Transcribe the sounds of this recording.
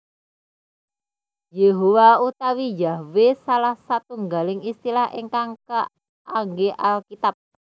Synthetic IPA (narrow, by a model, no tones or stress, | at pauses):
jeɦowaut̪awijawesalahsat̪uŋɡalɪŋist̪ilaɦʔḭŋkaŋkə | ʔaŋɡeʔalkit̪ap̚